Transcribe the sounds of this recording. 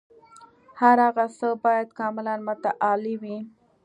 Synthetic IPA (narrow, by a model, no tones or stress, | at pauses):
haɾaɣasəbɑjad̪kɑmɪlanmʊt̪aʔɑliwi